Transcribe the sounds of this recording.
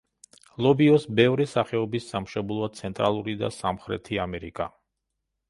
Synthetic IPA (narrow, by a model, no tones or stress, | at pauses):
lˠɔbiɔsbɛvɾisaχɛɔbisːamʃɛblˠɔat̪sʰɛnt̪ʼɾalˠuɾid̪a̰samχɾɛ̰t̪ʰiamɛɾikʼa